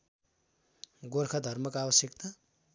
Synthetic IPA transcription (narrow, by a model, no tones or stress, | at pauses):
ɡorkʰad̪ʱʌrmʌkabʌsjʌkt̪a